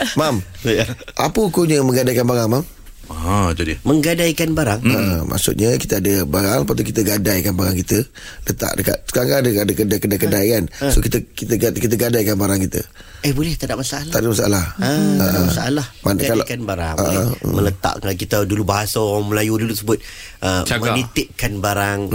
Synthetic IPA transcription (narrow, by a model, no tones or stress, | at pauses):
mam | ʔapəkoɲəmə̃ŋɡadajkanbaɾaŋmam | d͡ʒ̪udiməŋɡadajkanbaɾaŋəmʔa̰ʔsṵʔ̪̚ɲaki̥t̪əadəbaɾaŋpat̪̬ukit̪əɡadajkanbaɾaŋkit̪ə | lət̪a̰ʔdəka̰t̪̚səkaɾaŋkadəadəkədakədajkədajkansokit̪əkit̪əɡkit̪̬əɡadajkanbaɾaŋkit̪ə̰ | əhbolɛht̪adaʔmasaalat̪adaʔmasaʔalahəəaamasaʔalahmankalakanbaɾaŋaʔəmələt̪a̰ʔkakit̪ədulubaɦasaoɾaŋməlajudutuəsəbʊt̪̚ | ʔət͡ʃamənit̪ɪʔkːanbaɾaŋ